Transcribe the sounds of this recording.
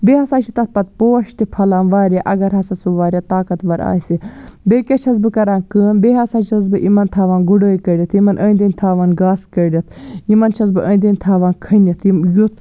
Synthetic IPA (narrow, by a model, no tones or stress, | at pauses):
beːhɐsaːt͡ʃʰit̪ɐt̪̚pɐt̪̚poːɐʃt̪ipʰɐlaːnʋaːɾʲaʔɐɡɐɾɦɐsɐsuʋaːɾʲat̪aːkɐt̪ʋɐɾa̰ːsibeːkʲɐt͡ʃʰɐs̬bɨkɐɾaːnkɨːmbeːɦɐsaːt͡ʃʰɐz̬bɨʔimɐnt̪ʰaːʋaːnɡuɽəːjkɐɾʲɐt̪ʰimɐnʔəːnʲd̪ɐnʲt̪ʰaːʋaːnɡaːskɐɾʲɐt̪ʰimɐnt͡ʃʰɐsbɨʔəːnʲd̪ɐnʲt̪ʰaːʋaːnkʰɐnjɐt̪ʰijut̪ʰ